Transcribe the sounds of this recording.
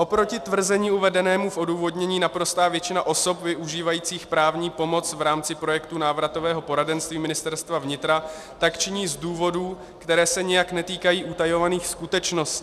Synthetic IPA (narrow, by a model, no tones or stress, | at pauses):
ʔo̞pɾo̞cɪt̪vr̩zɛɲiːuvɛdɛnɛːmufʔo̞duːvo̞dɲɛɲiːnapɾo̞st̪aːvjɛt͡ʃɪnaʔo̞so̞pvɪʔuʒiːvajiːt͡siːxpɾaːvɲiːpo̞mo̞t͡svɾaːmt͡sɪpɾo̞jɛkt̪unaːvɾat̪o̞vɛːɦo̞po̞ɾadɛnst̪viːmɪnɪst̪ɛɾst̪vavɲɪt̪ɾa | t̪akt͡ʃɪɲiːzduːvo̞duː | kt̪ɛɾɛːsɛɲɛjaknɛt̪iːkajiːʔut̪ajo̞vaniːxskut̪ɛt͡ʃno̞stcː